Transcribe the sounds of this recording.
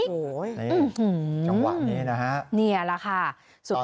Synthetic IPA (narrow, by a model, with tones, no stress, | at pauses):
ɯ˧˩hɯː˧˩a˧wa̰ː˨˩nnːiː˦˥na˦˥kʰa˦˥ʔni˧˩ɐ˩la˦˥kʰa˥˩ | su˨˩